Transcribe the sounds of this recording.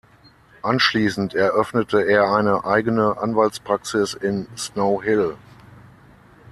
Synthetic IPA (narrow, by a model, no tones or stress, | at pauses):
ʔanʃliːsn̩tʰɛɐʔœfnətʰəeːɐaɪnəʔaɪɡənəʔa̰nvaltt͡spʁ̥aksɪsɪnsnoʊɦɪl